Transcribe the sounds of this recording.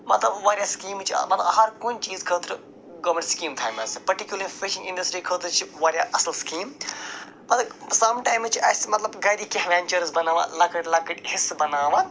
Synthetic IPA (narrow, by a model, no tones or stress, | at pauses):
mɐt̪lɐbʋaːɾjaːskiːmt͡ʃʰḭmɐt̪ɦɐɾkoːnt͡ʃiːzkʰəːt̪ɾ | ɡoːmẽɳʈskiːmt̪ʰaːmɐspɐɾʈikʲjuləɾifiʃɪ̃ŋɡɪɳɖɐsʈɾiːkʰəːt̪ɐɾt͡ʃʰiʋɐːɾjaːʔɐsɐlskiːm | ɐt̪sɐmʈaːjmzt͡ʃʰiɐsmɐt̪lɐbɡɐjɾikihʋeːnt͡ʃɐɾzbɐnaːʋa̰lɐkɐʈlɐkɐʈhɪsbɐnaːʋa